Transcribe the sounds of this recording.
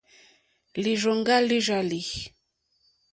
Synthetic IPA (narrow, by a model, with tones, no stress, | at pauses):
li˨ʒo˨ŋɡa˦li˦ʒa˨li˨